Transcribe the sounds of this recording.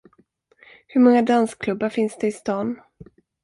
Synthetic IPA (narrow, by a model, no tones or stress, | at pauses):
hɵɾmɔŋːad̪anskʰlɵbːaɾfɪnsd̪ɛɪst̪ɑːn